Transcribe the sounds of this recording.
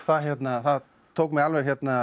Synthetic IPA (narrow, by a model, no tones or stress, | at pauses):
θaɦjɛt̪naθað | t̪ʰowkmɛɣalvɛɾ̥çjɛt̪na